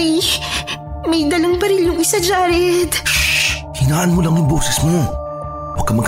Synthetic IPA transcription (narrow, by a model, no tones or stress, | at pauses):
j | mɐjd̪ɐlɐŋpɐɾɪljʊŋɪsad͡ʒaːɾɛd̪ | hinaːʔɐnmolɐŋjʊŋboːsɛsmo | pɐkːɐmɐɡ